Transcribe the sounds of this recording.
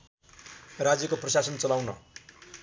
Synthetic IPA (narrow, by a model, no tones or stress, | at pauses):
rad͡zjʌkoprʌsasʌnt͡sʌlawnʌ̰